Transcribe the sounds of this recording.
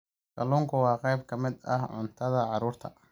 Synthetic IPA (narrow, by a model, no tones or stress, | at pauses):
ɡɐ̰lʊːŋkʰʊwɑːqɑjb̚kʰɐmɪd̪ɐɦʕʊ̰nt̪ʰɐðɐʕɑɾuːrt̪ʰɐ̰